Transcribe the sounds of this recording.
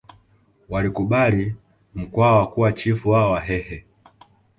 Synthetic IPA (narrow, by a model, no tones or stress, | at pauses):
walikuɓali | m̩kwawakuwat͡ʃifuwaɔwaɦɛhɛ